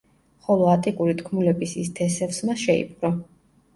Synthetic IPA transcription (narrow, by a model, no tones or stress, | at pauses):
χɔlˠɔat̪ʼikʼuɾit̪ʰkʰmulɛbisist̪ʰɛsɛfsmaʃɛḭp̚ʰʼɡɾɔ